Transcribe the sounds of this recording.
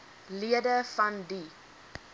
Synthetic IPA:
liədəfɐndi

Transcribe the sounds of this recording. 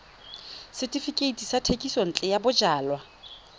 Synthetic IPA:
sɪtʼifikʼeitʼisatʰekʼison̩t͡ɬʼɛjabʊd͡ʒaːlwa

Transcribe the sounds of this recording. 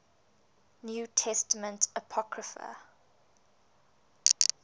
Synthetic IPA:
njuːtʰɛstəmə̃ntəpʰɔkɹəfə̰

